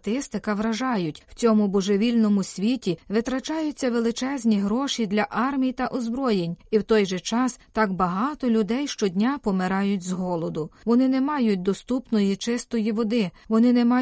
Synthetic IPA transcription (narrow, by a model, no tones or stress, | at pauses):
t̪ɪst̪ɪkɐʋɾɐʒɑjʊtʲw̥t͡sʲɔmʊbɔʒeʋʲilʲnɔmʊsʲʋʲitʲiʋɪt̪ɾɐt͡ʃɑjʊtt͡sʲːɐʋelˠɪt͡ʃɛzʲnʲiɦɾɔʃid̪lʲɐʔɑrmʲijt̪ɐʔɔzbɾɔjenʲiwt̪ɔjʒɛt͡ʃɑst̪ɑɡbɐɦɑt̪ɔlʲʊd̪ɛjʃt͡ʃɔdʲnʲapɔmɪɾɑjʊt̚ʲzɦɔlˠɔd̪ʊʋɔnɪnɛmɑjʊt̚ʲd̪ɔst̪upnɔjit͡ʃɪst̪ɔjiʋɔd̪ɪʋɔnɪnɛmɑ